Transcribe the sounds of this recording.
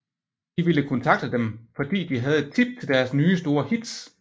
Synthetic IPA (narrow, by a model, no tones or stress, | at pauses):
d̥iʋiləkʰɔ̽nt͡sʰɑ̈ɡ̥̚d̥əd̥emfɒ̽d̥ḭːd̥iɦæð̞̩ˠe̝d̥̚t͡sʰib̥̚t͡sʰe̝ld̥æɐsnyːsd̥o̝ːɐhid̥s